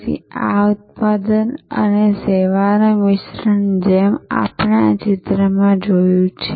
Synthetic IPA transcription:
ḭaut̪̚pad̪ənə̰neseʋanoʋɪʃɾəɳd͡ʒema̰pɳat͡ʃɪt̪ɾəmãd͡ʒojũt͡ʃʰe

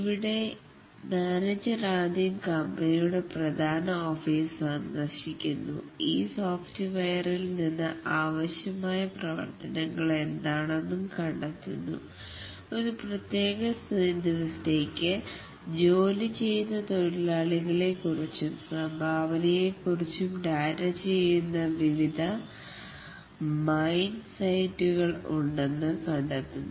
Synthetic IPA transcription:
iʋiɽe̞ | maːned͡ʑɐɾaːd̪ijɐmkɐmbɐnijuɽe̞prɐd̪ʱaːnɐoːfiːsaɳnɐɕikʲːunːṵ | ḭːsoːftiʋɐjɐrilninːɨʔaːʋɐɕjɐmaːjɐprɐʋɐ̰rt̪ɐnɐŋːɐɭe̞nd̪aːɳenːumkɐɳɖɐt̪ːunːṵ | o̞ɾuprɐt̪je̞ːɣɐsd̪iʋɐsɐt̪e̞ːkʲːɨ | d͡ʑo̞ːlit͡ɕe̞jːunːɐt̪oɾilaːɭiɣɐɭe̞kːurit͡ɕːumsɐmbʱaːʋɐnɐje̞kːurit͡ɕːumɖɐjɾɐt͡ɕt͡ɕejːunːɐʋiʋid̪ʱɐ | mɐjnɖsɐjtːuɣɐɭṵɳɖe̞nːɨkɐɳɖɐt̪ːunː

